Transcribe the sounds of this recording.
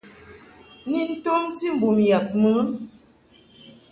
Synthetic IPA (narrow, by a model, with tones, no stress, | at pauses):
ni˨n̩˦tɔ˦mti˦m̩˨bu˨m˨ja˨p̚mə˨˦